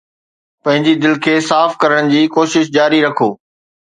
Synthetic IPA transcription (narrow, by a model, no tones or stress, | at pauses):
pɐ̃ɦɪ̃ɲd͡ʑid̪ɪlkʰeːsaːfkɐɾəɽ̃d͡ʑiːkoːʃɪʃd͡ʑaːɾiɾɐkʰoː